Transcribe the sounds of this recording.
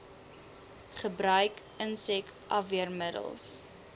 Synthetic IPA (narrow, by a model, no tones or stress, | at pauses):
χəbɾœɥk | ənsɛktʔɐviərmədə̰lˠs